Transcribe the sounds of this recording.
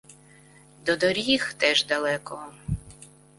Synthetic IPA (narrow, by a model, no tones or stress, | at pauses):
d̪ɔd̪ɔɾʲixt̪ɛʒd̪ɐlˠɛkɔɦɔ